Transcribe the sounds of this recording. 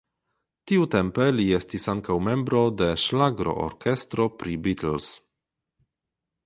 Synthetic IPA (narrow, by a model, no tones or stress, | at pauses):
tiute̞mpe̞lie̞stisaŋkawme̞mbɾo̞de̞ʃlaɡɾo̞̰ʔo̰ɾkʰe̞stɾo̞pɾibitls